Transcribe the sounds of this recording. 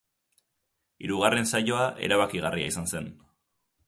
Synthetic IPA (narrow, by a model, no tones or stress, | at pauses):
ḭɾuɣare̞nsaʎo̞aʔe̞̰ɾaβakiɣ̞aria̰isanse̞n